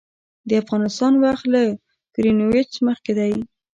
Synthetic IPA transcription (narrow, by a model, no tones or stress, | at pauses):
d̪əafɣɑnɪst̪ɑnwaxt̪la | kɾinowet͡ʃməxked̪aj